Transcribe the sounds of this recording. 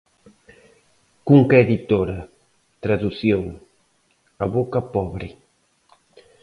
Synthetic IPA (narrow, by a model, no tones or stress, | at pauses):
kuŋkeðit̪oɾa | t̪ɾaðusjoŋ | aβokapɔβɾi